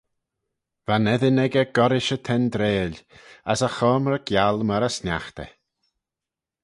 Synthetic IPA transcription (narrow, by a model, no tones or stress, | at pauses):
vanɛðɪnɛɡəɡ̥ɔɾɪʃət̪ʰɛnd̪ɾeːlasaxɔːmɾəɡjalˠmaɾasnjaxt̪ɛ̰